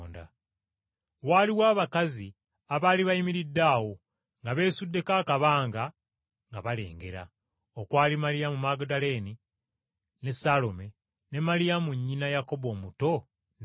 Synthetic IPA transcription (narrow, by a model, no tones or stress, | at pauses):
nda̰ | waːliwaːβakazi | aβaːliβajimiɾidːaːwo̞ | ŋɡaβe̞ːsudːe̞kaːkaβaːŋɡa | ŋɡaβale̞̰ːŋɡe̞ɾa̰ | okwaːlimalijamumaɡdale̞ni | ne̞salo̞me̞ | ne̞malijamuɲːinajako̞βo̞ːmuto̞